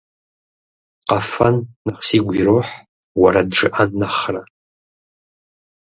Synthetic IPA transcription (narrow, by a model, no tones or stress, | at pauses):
qɐfɐnːɐχsiːɡʷiroːħ | wɐɾɐdʈ͡ʂɨʔɐnːɐχrɐ